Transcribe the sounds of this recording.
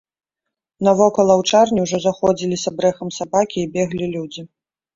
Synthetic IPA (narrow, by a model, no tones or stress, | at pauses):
nɐvɔkɐlˠɐwt͡ʂarnʲiwʐɔzaxɔd͡zʲilʲisʲɐbɾɛxɐmsabakʲiːbʲɛɣlʲilʲud͡zʲi